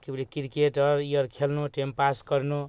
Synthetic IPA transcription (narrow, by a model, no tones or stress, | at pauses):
kiblikiɾkeʈʌɾijʌɾkʰelnoʈempaskʌrno